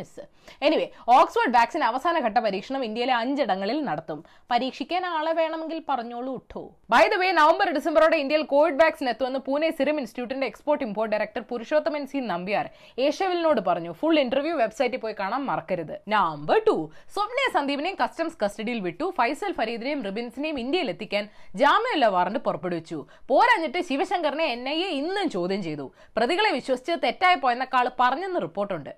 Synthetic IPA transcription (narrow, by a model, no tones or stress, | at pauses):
sɨ | e̞niʋeːoːksʋoːrɖʋjaːksinɐʋɐsaːnɐɡʱɐʈːɐpɐɾiːkʂɐɳɐmind̪jɐjile̞ɐɲd͡ʑiɽɐŋːɐɭilnɐɽɐt̪ːum | pɐɾiːkʂikʲːaːnaːɭeʋe̞ːɳɐme̞ŋɡilpɐrɐɲːoːɭuːʈʰːo̰ː | bɐjd̪ɐʋenɐʋɐmbɐɾɖisɐmbɐɾoːɽeind̪ɐjilko̞ːʋiɖʋjaːksine̞t̪ːuʋenːɨpuːnesiɾɐminsitjuːʈ̬ːɐndeeksporʈːimpʰo̞ːrʈ̚ɖɐjɾɐk̚ʈɐrpuɾuʂo̞ːt̪ːɐmɐnsiːnɐmbijaːr | eːʂeʋilnoːɽɨpɐrɐɲːufuɭːiɳʈɐrʋjuʋe̞bsɐjtːɨpoːjkaːɳaːmːɐrɐkːɐɾɐðɨnambɐʈusobnijɐsɐnd̪ʱiːbinejumkɐstɐmskɐstɐɽijilʋiʈːufɐjsɐlfɐɾiːd̪iɾejumrɨbinsinejumind̪jɐjilet̪ːikʲːaːnd͡ʑaːmijɐulːɐʋaːrɐɳɖɨpurɐpːeɽuʋit͡ɕːupo̞ːɾaːɲːiʈːɨɕiʋɐɕɐŋɡɐrneenːɐjeinːɨmt͡ɕo̞ːd̪ʱjɐmt͡ɕe̞jt̪ṵ | prɐðiɣɐɭe̞ʋiɕwɐsi̥t͡ɕːɐt̪e̞tːaːjɐpːoːjenːɐkːaːɭɨpɐrɐɲːenːɨripːo̞ːrʈːuɳɖɨ